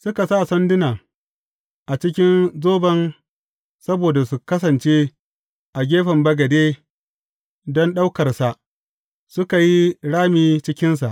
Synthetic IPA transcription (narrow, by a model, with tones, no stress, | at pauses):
sʊ˦ka˨sa˦˨sɐ˦ndɪ˦naː˨ | ʔa˨t͡ʃɪ˦kʲɪ˦nzoː˦bɐ˦n | sɐ˦boː˨da˨su˨kɐ˦sɐ˨nt͡ʃeː˦ | ʔa˨ɡʲeː˦ɸɐ˨mbɐ˦ɡɐ˨deː˦ | dɔ˦nɗa˦wkɐ˨rsa˨ʔ | sʊ˦ka˨ji˦ɽaː˦miː˦t͡ʃɪ˦kʲɪ˦ns̬a˨ʔ